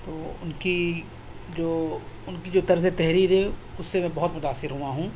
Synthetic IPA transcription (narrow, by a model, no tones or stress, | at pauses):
t̪oːʊnki | d͡ʒoː | ʊnkid͡ʒoːt̪ɐɾzet̪ɛɦɾiːɾɦɛʊsːemɛ̃bɐɦʊt̪mʊt̪aːsːɪɾɦuaɦũː